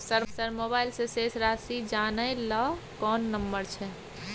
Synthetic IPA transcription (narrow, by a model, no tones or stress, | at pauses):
səɾsəɾmoːbaːɪlseseːsɾaːsid͡ʒaːnəelɔː | kɔːnːəmbəɾt͡ʃʰɛ